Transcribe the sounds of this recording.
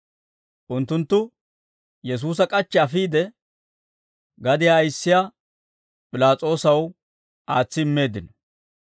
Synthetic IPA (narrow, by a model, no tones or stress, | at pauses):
ʔʊnt̪ːʊnt̪ːʊ | jɛs̬uːs̬ɐkʼɐt͡ʃːɛɐfiːd̪ɛ | ɡɐd̪ɪjaɐjɪsːɪja | pʼɪlaːt͡sʼo̞ːsɐw | ʔaːt͡sːɪːmːe̞ːd̪ɪnɐ